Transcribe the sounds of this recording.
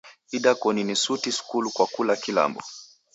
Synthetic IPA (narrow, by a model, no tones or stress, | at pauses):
idakɔninisutisu̥kulukwakulakila̰mbɔ̰